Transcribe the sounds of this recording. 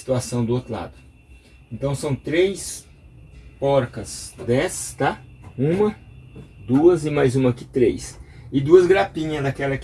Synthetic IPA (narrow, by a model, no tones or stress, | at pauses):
i̥t̪uasɐ̃w̃d̪ʊot̪ɾʊla̰d̪ʊ | ẽnt̪ɐ̃w̃sɐ̃w̃t̪ɾejs | pɔɾkɐsd̪ɛst̪aũmɐ | d̪uɐzɪmajzũmɐkɪt̪ɾejsɪd̪uɐzɡɾapĩɲɐzd̪ɐkɛlɐk